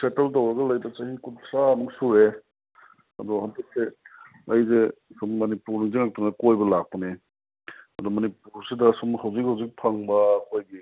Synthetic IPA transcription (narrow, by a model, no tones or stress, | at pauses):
seteltawɾɐɡɐlajdɐt͡ʃahikutsamɯŋsuɾe | ɐ̰dɔhantɐk̚se | ɐjzesɔmːɐnipuɾnɯŋziŋak̚tɯŋnɐkojbɐlak̚pɐni | ɐdɔmɐnip̚uɾsidɐsɔmhawzik̚hawzik̚pʰaŋbɐkojɡi